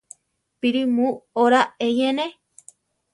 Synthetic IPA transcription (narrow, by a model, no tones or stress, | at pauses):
piɾimuoɾaejenẽ